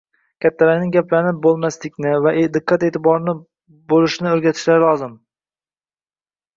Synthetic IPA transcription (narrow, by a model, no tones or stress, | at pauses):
kʲʰat̪ʰːalanɪŋɡʲaplanɪp̚bolˠmaslɪkʲnɪvaʔed̪ɪqʰːat̪eːt̪ʰɪbɒɾnɪ | bolˠɪʃnɪɵɾɡʲat̪ʰɪ̥ʃlaɾɪlˠɒzɪm